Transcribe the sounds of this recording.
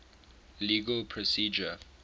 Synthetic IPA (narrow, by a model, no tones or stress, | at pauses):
liːɡəlpʰɹɔsiːd͡ʒə